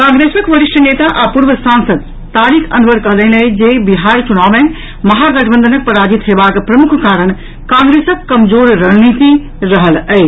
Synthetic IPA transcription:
kãŋɡɾesəkʋəɾiʃʈʰənet̪aʔapuɾʋəsãnsəd̪ | t̪aɾikʰənʋəɾkəɦlələd͡ʒebiɦaɾt͡ʃunawmẽ | məɦaɡəʈʰbənd̪ənək̚pəɾad͡ʒit̪ɦebakpɾəmukʰkaɾəɽ̃ | kãŋɡɾesəkːəmd͡ʒoɾɾəɦnit̪i | ɾəɦələɪ

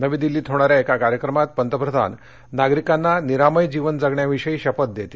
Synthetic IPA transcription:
nəʋiːd̪ilːiːt̪ʰɦoɽ̃aɾjaekakaɾjəkɾəmat̪̚pənt̪əpɾəd̪ʱa̰nː | aɡɾikanːaniɾaməjd͡ʑiʋənd͡zaɡɳjaʋiʂəiːɕəpət̪̚d̪et̪i

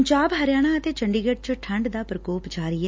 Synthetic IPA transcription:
ɲd͡ʒaːbɦəɾɪjaːɽ̃aət̪eːt͡ʃəɳɖiːɡeʈ̚t͡ʃəʈʰə̃ɳɖd̪aːpɾəkoːpd͡ʒaːɾəiːɦɛː

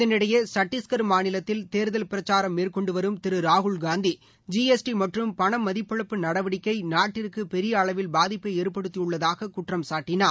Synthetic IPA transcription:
ɪɐnɪɽɐjɐsɐʈːɪskɐɾmaːnɪlɐt̪ːɪlt̪eːɾɯðɐlpɪɾɐt͡ʃːaːɾɐmːeːrkɔɳɖɯʋɐɾɯmt̪ɪɾɯɾaːɣʊɭɡaːnd̪i | d͡ʒiesʈimɐʈrɯmpɐɳɐmːɐðɪpːɐɭɯpːɯnɐɽɐʋɐɽɪkːɐɪnaːʈːɪɾkɯpɛɾɪjɐːɭɐʋɪlbaːðɪpːɐeːɾpːɐɽɯt̪ːijɯɭːɐðaːɣɐkʊʈrɐmsaːʈːɪnaː

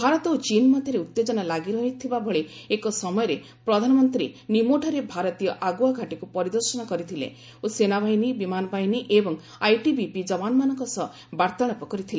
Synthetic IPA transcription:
bʱaɾɔt̪ɔot͡ʃinmɔd̪ʱjɔɾeut̪ːed͡ʒɔnalaɡiɾɔɦit̪ʰibabʱɔɭeekɔsɔmɔjɔɾe | pɾɔd̪ʱanɔmɔnt̪ɾinimoʈʰɔɾebʱaɾɔt̪ijɔʔaɡuaɡʱaʈikupɔɾid̪ɔɾsɔnɔkɔɾit̪ʰilḛ | osenabʱaɦjnibimanɔbʱajniʔebɔŋ | ajʈibipid͡ʒɔbanɔmanɔŋkɔsɔ | baɾt̪ɔɭ̃apɔkɔɾit̪ʰile

